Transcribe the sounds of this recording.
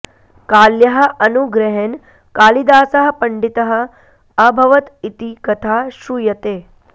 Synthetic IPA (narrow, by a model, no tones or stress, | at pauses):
kaːljɐɦɐ̆ʔɐnuɡɾɐɦen | kaːlid̪aːsɐɦɐ̆pɐɳɖit̪ɐɦɐ̆ | ɐbʱɐʋɐt̪it̪ikɐt̪ʰaːʃujɐt̪eː